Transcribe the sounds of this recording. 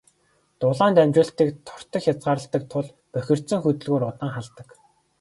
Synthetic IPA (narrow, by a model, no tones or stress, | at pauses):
t̪ʊɮaːnt̪æmʲt͡ɕʊːɬt̪iːkt̪ʰɔ̥r̥t̪ə̆kxʲjat͡sɢaːɾə̆ɬt̪ə̆k̚t̪ʰʊɮ | pœxʲɪ̆r̥t̪t͡sɘ̆ŋxɵt̪ɵ̆ɮɣoːɾʊt̪ə̆ŋχaɮt̪ə̆k